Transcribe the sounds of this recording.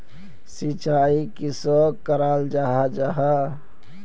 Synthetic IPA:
sit͡ʃaːikisoːkːəɾaːld͡ʒaɦad͡ʒaɦa

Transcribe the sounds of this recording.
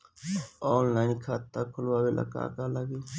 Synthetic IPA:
oːnlaːɪnkʰaːt̪ːaːkʰʊlʋaːʋelʔə̰ka̰ːkaləɡeː

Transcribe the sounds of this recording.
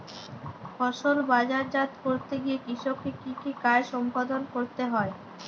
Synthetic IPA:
fɔʃolbad͡ʑaɾd͡ʑat̪koɾt̪eɡijekɾiʃokːekikikaeʃɔmpad̪onkoɾt̪eɦɔe

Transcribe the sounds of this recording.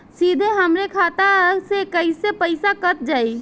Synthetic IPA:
sid̪ʱeɦəmɾekʰat̪aəsekəjsepəɪsakət̪̚d͡ʒaj

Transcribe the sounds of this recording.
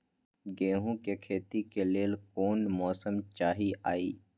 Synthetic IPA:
ɡẽːɦũkekʰeːt̪ikeleːlkoːnmɔːsəmt͡ʃaːɦiʔaːiː

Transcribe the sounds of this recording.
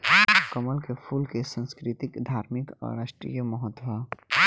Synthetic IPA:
kəməlkepʰuːlkesə̃nskɾɪt̪ɪkd̪ʱaːɾmɪkɔ̰ːɾaːʃʈɾḭjəməɦət̪ːobʱaː

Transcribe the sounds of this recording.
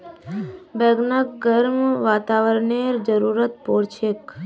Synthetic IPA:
bɛɡnəkɡəɾmʋat̪aʋəɾɳeɾd͡ʒəɾuɾət̪̚poɾt͡ʃʰek

